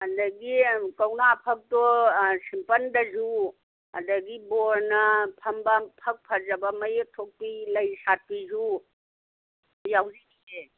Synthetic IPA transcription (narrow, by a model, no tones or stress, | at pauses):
ɐndɐɡikɐwnapʰɐk̚dosimpɐndɐzu | ɐdɐɡiboɾnɐpʰɐmbɐpʰɐk̚pʰɐzɐbɐmɐjek̚tʰok̚pilɐjsat̚pizu | jawziie